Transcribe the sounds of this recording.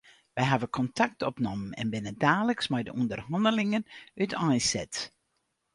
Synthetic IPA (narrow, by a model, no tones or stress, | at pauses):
ʋɛjɦavəkʰɔntʰak̚tʰɔpnɔmənɛ̰nbɪnədaːləksmɛjdə̰ʔundərhɑndəlɪŋənytajsɛ̰t